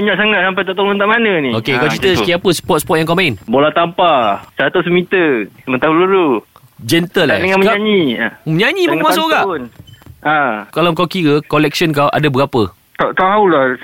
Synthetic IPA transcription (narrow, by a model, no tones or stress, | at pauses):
aɲaʔsaŋat̪̚sampajt̪aʔt̪olənt̪aʔmanə̃niokekawt͡ʃɾit̪əsəkiapəsə̥pɔt̪̚sə̥pɔt̚jaŋkawmãɪnbolaht̪ampasəɾat̪ʊsmit̪əsmənt̪aluɾu | d͡ʒɛnt̪əla̰dəŋanməaɲiməɲaɲĩmamas̬uʔɡaʔnakalawŋkawkiɾəkolɛk̚sənk̬awʔa̰dabəɡapə | t̪aʔt̪aulah